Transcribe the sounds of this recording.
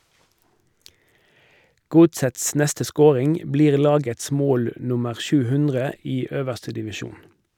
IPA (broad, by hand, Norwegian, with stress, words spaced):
ˈɡʊtsəts ˈnɛstə ˈskoːʁɪŋ ˈbliːʁ ˈlɑːɡəts ˈmoːl ˈnʊməʁ ˈʃʉː ˈhʉndʁə ˈiː ˈøːʋəʁstə dɪʋɪˈʃuːn